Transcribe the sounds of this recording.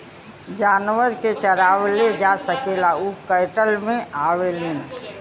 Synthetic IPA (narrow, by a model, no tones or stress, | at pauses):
d͡ʒaːnwəɾket͡ʃəɾaːwled͡ʒasəkeːlaukəɪʈəlmẽʔaːweleːn